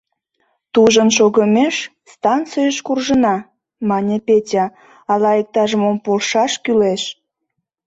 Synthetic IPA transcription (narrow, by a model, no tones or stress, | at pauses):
t̪uʒənʃ̬oɣəmeʃ | st̪ɑnt͡sijəʃkurʒənɑ | mɑnʲepʲetʲɑ | ɑlɑek̚t̪ɑʒəmompolʃɑʃkyleʃ